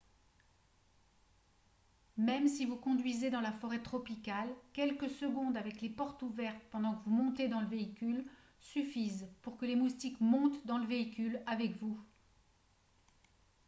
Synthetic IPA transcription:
mɛmsivukɔ̃d̪ɥized̪ɑ̃lafɔʁɛt̪χɔpikalkʲɛlkəsəɡɔ̃d̪avɛklepɔʁt̪uvɛʁt̪pɑ̃d̪ɑ̃kəvumɔ̃t̪ed̪ɑ̃ləveikʲyl | syfizpuʁkəlemust̪ikmɔ̃t̪d̪ɑ̃ləveikʲylavɛkvu

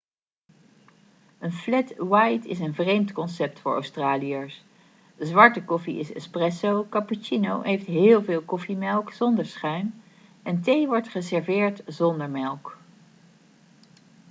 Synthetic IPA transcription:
ənflɛtwɑjtɪ̰s̬ənvrejmtkɔnsɛp̚tfʊːɹʔo̰wstraːlijas | zʋɑɹtəkɔfiɪsɛ̰sprɛsowkɑput͡ʃinowɦejftɦɪːlˠvɪːlˠkɔfimɛlˠkz̥ɔndəɹsχœɥn | ɛntejʋɔɹtχəzɛɹvɪːɹtzɔndəɹmɛlˠk

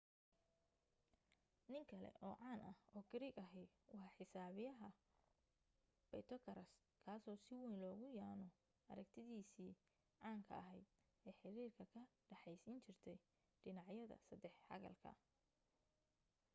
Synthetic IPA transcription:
nɪŋkʰɐlɛ̰ʔɔːʕɑːnʔɐhɔːɡʰɪɾiɡɐɦɪ | wɑħħɪsaːβɪjɐɦɐ | b̥ɛjt̪ʰɔkʰɐɾɐs | kʰaːsɔːsɪwɛjnlɔːɣʊjaːnɔ | ɐ̰ɾɐɡt̪ʰɪðiːsiː | ʕaːŋkʰɐ̰ɐɦɛjd̪ | ɛːħɪɾiːrkʰɐkʰɐɖɐħɛjsiːnt͡ʃʰɪrt̪ʰɛj | ɖɪnɑʕjɐðɐ̰sɐd̪ɛħhɐ̰ɣɐ̰lkʰɐ̰

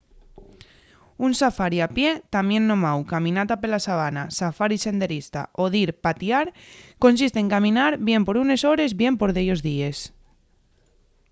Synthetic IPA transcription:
unsafaɾiapje̞t̪amje̞nːo̞mawkamĩnat̪ape̞lasaβ̞anasafaɾise̞nd̪e̞ɾist̪a̰oðiɾpat̪iaɾko̞nsist̪eŋkamĩnaɾβje̞mpo̞ɾune̞so̞ɾe̞zβje̞mpo̞ɾðejozðie̞s

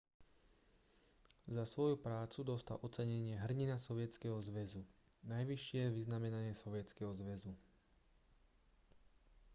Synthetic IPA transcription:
zasʋɔjupɾaːt͡sud̪ɔst̪a̰lʔɔt͡sɛɲɛɲɪɛɦr̩ɲinasɔʋɪɛt͡skɛɦɔzʋɛzu | najʋiʃɪɛʋiznamɛnaɲɪɛsɔʋɪɛt͡skɛɦɔzʋɛzu

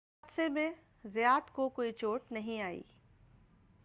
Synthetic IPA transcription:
aːd̪semẽ | zɪjaːt̪kokoːit͡ʃoːʈnɐɦĩaːḭː

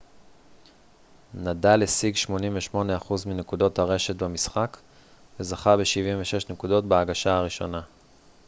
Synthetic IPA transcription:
nadalesiɡʃmo̞nimveʃmo̞neaχuzminekudo̞thaʁe̞ʃe̞tbemisχak | ve̞zaχabeʃivimveʃe̞ʃnekudo̞tbeaɡaʃaaʁiʃo̞̰na

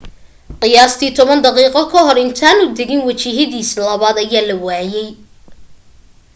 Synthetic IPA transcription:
qɪjaːst̪ʰiːt̪ʰɔβɐnd̪ɑqiːqɔkʰɐɦɔrɪnt̪ʰaːnʊd̪ɛɣɪnwɐt͡ʃiɦɐðiːslɐβaːd̪ɐjaːlɐwaːjɛj

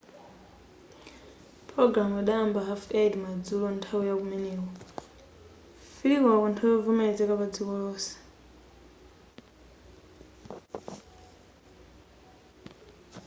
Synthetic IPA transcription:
pʰɾɔɡɾamaɗaːmbaɦafedmad͡zulɔntʰawujakumɛnɛːk̬ɔ | filikɔakɔntʰawujavumɛd͡zɛkaβad͡zikɔlɔːsɛ̥

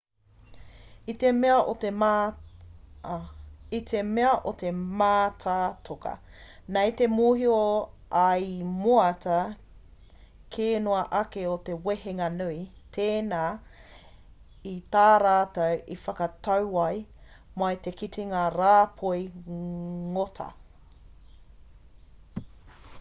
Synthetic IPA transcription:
it̪emeɐʔote | it̪ʰemeɐʔot̪emaːtʰatʰokɐ̰ | nɐjt̪emuːɦio | ʔɐjmoɐtɐ | kʰeːnoɐʔɐkeoteweheŋɐnuitʰeːnaː | it̪aːɾaːtɐwifɐkɐtɐwɐj | mɐjt̪ekitʰiŋaɾaːpʰoj | ŋotʰɐ̰

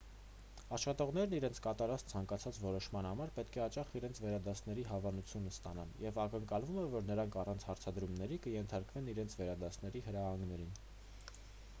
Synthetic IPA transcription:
ɑʃχɑt̪ɔʁn̪ɛɾniɾɛnt͡sʰkɑt̪ɑɾɑt͡st͡sʰɑŋkɑt͡sʰɑt͡svɔɾɔʃmɑnhɑmɑɾpɛt̪kʰɛɑt͡ʃɑχiɾɛnt͡sʰvɛɾɑd̪ɑsnɛɾiɦɑvɑnut͡sʰjunəst̪ɑnɑnjɛvɑkəŋkɑlvumɛvɔɾnəɾɑŋkʰɑrɑnt͡sʰhɑɾt͡sʰɑd̪ɾumnɛɾikəjɛnt̪ʰɑɾkvɛniɾɛnt͡sʰvɛɾɑd̪ɑsnɛɾihəɾɑhɑŋɡnɛɾin

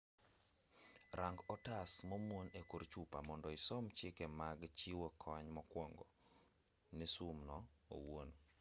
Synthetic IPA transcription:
ɾaŋɡɔtasmomwonekoɾt͡ʃupamɔndɔɪsɔmt͡ʃɪkɛmaɡt͡ʃiwokʰɔɲmɔkwɔŋɡɔ | nɛsumnɔo̰won

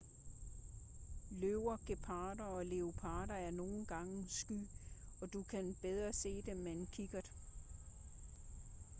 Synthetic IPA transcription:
løʊɐɡ̥e̝pʰɑ̈ːɾɐɒ̽le̝o̝pʰɑ̈ːɾɐæɐno̝ːn̩ɡ̥ɑ̈ŋəsɡ̥y̰ɒ̽d̥ukʰænb̥eð̞ˠʁɐse̝̰ːd̥emːenkʰiɡ̥ɐd̥e

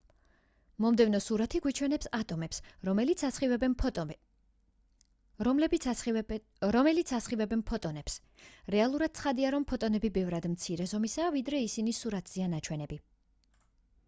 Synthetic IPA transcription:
mɔmd̪ɛvnɔsuɾat̪ʰiɡwit͡ʃʰwɛnɛpsat̪ʼɔmɛpsɛit̪sasχivɛ | l | ɾɔmɛlit̪sʰasχivɛbɛnpʰɔt̪ʼɔnɛps | ɾɛalˠuɾad̪̥̚t̪sʰχad̪iaɾɔmpʰɔt̪ʼɔnɛbibɛvɾad̪mt̪sʰiɾɛzɔmisaːvid̪ɾɛisinisuɾat̪ʰz̥ianat͡ʃʰwɛnɛbi

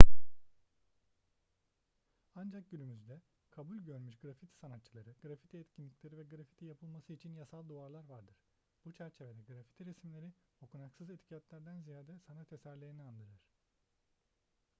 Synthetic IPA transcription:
and͡ʒak̚ɟynymyzd̪ɛ | kʰabulʲɟø̞ɾmyʃɡɾafit̪ʰi̥sanat̪t͡ʃʰːɯlˠaɾɯɡlɾafit̪ʰiɛt̪cʰinlʲicʰʲlʲeɾivɛɡɾafi̥t̪ʰijapʰɯlˠmasɯit͡ʃʰinjasalˠd̪uaɾlˠaɾvaɾd̪ɯɾ̥ | b̥ut͡ʃʰæɾt͡ʃʰe̞ved̪ɛɡɾafi̥t̪ʰiɾesmilʲe̞ɾio̞kunaksɯzet̪ʰi̥cʰat̪lʲæɾd̪ænzijaːd̪ɛsanat̪ʰesæɾlʲeɾiniand̪ɯɾɯɾ̥

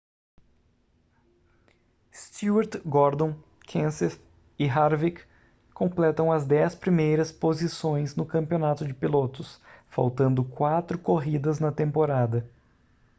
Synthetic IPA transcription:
st̪iuɛɾt̪ɡɔɾd̪õ | kʰẽseɾ | ɪɦaɾvik | kːõmplɛt̪ɐ̃w̃ɐzd̪ɛspɾimejɾɐspozisõj̃znʊkɐ̃mpionat̪ʊd͡ʒɪpilot̪ʊsfa̰wt̪ɐ̃nd̪ʊkwat̪ɾʊkoɦid̪ɐznɐt̪ẽmpoɾad̪ɐ

